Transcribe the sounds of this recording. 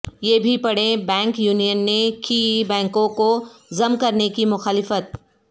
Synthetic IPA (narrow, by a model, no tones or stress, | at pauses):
jeːbʱipɐɽẽbɛ̃ːŋkjuːnijənːekibɛ̃ːŋkõkozɐmkɐɾnekimʊxaːlɪfət̪̚